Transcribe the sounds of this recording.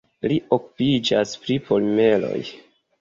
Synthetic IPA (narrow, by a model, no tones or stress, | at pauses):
liʔoku̥pid͡ʒaspɾipolme̞lo̞̰j